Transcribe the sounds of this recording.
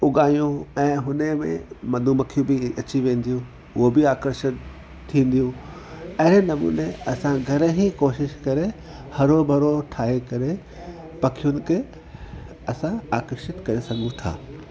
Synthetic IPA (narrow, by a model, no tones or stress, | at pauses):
ʊɡaːjũɛ̃ːɦʊnemḛ̃mɐd̪ʱũmɐkʰijũbɪɐt͡ɕiʋẽːn̆d̪ijũ | ʊɦobɪaːkəɾʃət̪ʰː | ĩːn̆d̪ijũ | ɐɦɪɾenɐmṵːneɐsãɡʱɐɾɦĩkoːʃɪʃkɐɾe | hɐɾobʱɐɾoʈʰaːɦekɐɾe | pɐkʰijʊnɪ̆kʰeː | ɐsãaːkəɾʃɪt̪kɐɾesɐɡʱũt̪ʰa̰ː